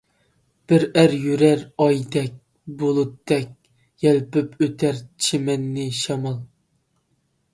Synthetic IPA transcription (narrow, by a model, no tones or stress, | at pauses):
b̥ɪɾæɾjyɾæɾɑjd̪ɛk̚ʲ | bolˠut̪ːɛk̚ʲ | jɛlpypʰøt̪ʰæɾt͡ʃʰemɛnːɪʃɑmɑlˠ